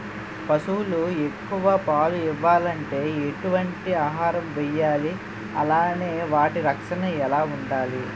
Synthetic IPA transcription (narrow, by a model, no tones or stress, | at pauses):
pɐsuːlue̞kːuʋaːpaːluiʋːaːlɐɳʈe̞ːeʈuʋɐɳʈiaːɦaːɾɐmʋɛjːaːli | ɐlaːne̞ːʋaːʈiɾɐkʂɐnɐɛlaːuɳɖaːli